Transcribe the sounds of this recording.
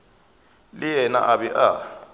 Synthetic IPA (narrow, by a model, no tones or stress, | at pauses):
lɪjɛna̰ʔabɛʔa